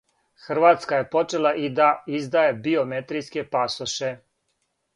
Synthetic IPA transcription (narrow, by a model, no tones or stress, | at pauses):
xr̩ʋat̪skaje̞po̞t͡ʃe̞lˠaʔid̪aizd̪ajebio̞met̪ɾijske̞pasoʃe